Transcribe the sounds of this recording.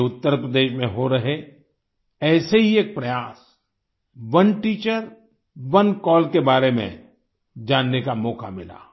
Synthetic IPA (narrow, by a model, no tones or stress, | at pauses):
ʊt̪ːəɾpɾəd̪eːʃmẽɦoɾɐɦe | ɛːseɦieːk̚pɾɐjaːs | ʋɐnʈiːt͡ʃəɾ | ʋɐnkɔːlkebaːɾemḛ̃ | d͡ʒaːnːekamɔːkʰa̰mɪ̰la̰ː